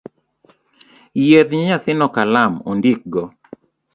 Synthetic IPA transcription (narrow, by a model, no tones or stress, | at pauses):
jeðɲeɲat̪ɪnɔkalamondik̚ɡɔ